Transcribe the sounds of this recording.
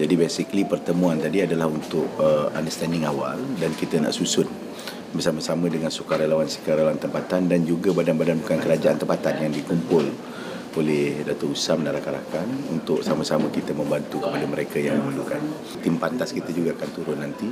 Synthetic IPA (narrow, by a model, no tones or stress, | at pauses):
d͡ʒadibesiklipərt̪əmũant̪adiadalahunt̪ʊʔ̚əa̰ndəst̪andɪŋawaldankit̪əna̰ʔsusʊn | bərsaməsamə̃dəŋansukaɾelawansə̥kaɾelawant̪əmpat̪andand͡ʒuɡabadanbadanbukankəɾad͡ʒaant̪əmpat̪anjaŋdikumpʊl | olɛhhdat̪ʊrusamdaɾakaɾa̰kanunt̪ʊksaməsaməkit̪əmə̃mbant̪ukəpadəməɾekajaŋməməlukan | t̪impant̪askit̪əd͡ʒuɡaakant̪uɾʊnːant̪i